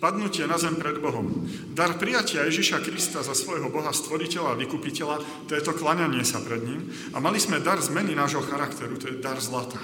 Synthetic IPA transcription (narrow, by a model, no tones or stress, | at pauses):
pad̪nucɪɛnazɛmpɾɛd̪bɔɦɔm | d̪aɾpɾijacɪajɛʒiʃakɾist̪azasʋɔjɦɔbɔɦast̪ʋɔɾicɛlaːʋikupicɛla | t̪ɛːt̪ɔklaɲaɲɪɛsapɾɛd̪ɲim | amalizmɛd̪aɾzmɛninaːʒɦɔxaɾakt̪ɛɾut̪ɔjɛd̪aɾzlat̪aː